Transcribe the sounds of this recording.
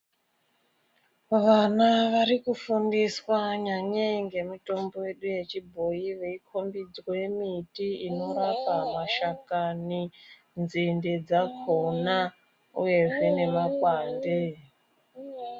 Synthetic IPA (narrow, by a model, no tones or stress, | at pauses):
ʋanaʋaɾikufundiswaɲaɲeŋɡe̞mito̞mbo̞je̞ɗuje̞t͡ʃibʱo̞iʋe̞ikʰo̞mbid͡zwojemitiino̞ɾapamaʃakani | nd͡zinded͡zakʰona | ṵje̞ʐe̞ne̞makwaːnde